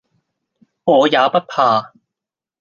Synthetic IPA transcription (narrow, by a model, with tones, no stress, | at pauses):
ŋɔː˨˧jaː˨˧pɐ˥t̚pʰaː˧